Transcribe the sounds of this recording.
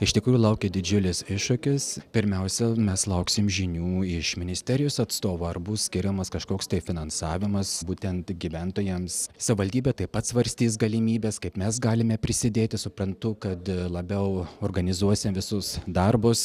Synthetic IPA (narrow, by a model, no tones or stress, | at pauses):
ɪʃt̪ʲɪkɾuːjuʊlˠɐʊkʲɛd̪ʲɪd͡ʒʲʊlʲɪsɪʃʃʊkʲɪspʲɪɾʲmʲɛʊsʲɛmʲɛslˠɐʊksʲɪmʒʲɪnʲuːɪʃmʲɪnʲɪsʲt̪ʲɛɾʲɪjosɐt̪st̪oːʋoɐrbusʲkʲɪɾʲɛmɐskɐʃkoːkst̪ɐɪfʲɪnɐnsɑːʋʲɪmɐsbuːt̪ʲɛnt̪ɡʲiʋʲɛnt̪oːjɛmssɐʋʲɪʋɐlʲd̪ʲiːbʲɛːt̪ɐɪpɐt̪sʋɐɾʲsʲt̪ʲiːs̬ɡɐlʲɪmʲiːbʲɛskɐɪpmʲɛs̬ɡɑːlʲɪmʲɛpʲɾʲɪsʲɪd̪ʲeːt̪ʲɪsʊpɾɐnt̪ʊkɐt̪lˠɐbʲɛʊoːrɡɐnʲɪzuɔsʲɪmʋʲɪsʊsd̪ɐrbʊs